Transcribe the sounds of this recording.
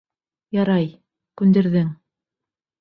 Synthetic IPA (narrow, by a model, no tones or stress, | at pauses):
jɑɾɑj | kʉnd̪ɘ̆ɾðɘŋ